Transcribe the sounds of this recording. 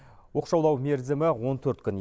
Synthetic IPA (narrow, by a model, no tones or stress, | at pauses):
wo̞qʃɑwlˠɑwme̞ɾzɪmɪwo̞nt̪ʰɵɾt̪kʲʏn